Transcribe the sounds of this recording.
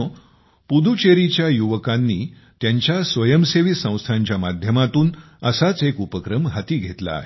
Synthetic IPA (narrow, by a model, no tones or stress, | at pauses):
pud̪ʱut͡ɕeɾit͡ɕjajuʋəkãnːiː | t̪jaɲt͡ɕjasʋəjəmseʋisə̃w̃st̪ʰaɲt͡ɕjamad̪ʱjəmat̪uːn | əsat͡sekupəkɾəmɦat̪iːɡʱet̪la̰ːɦe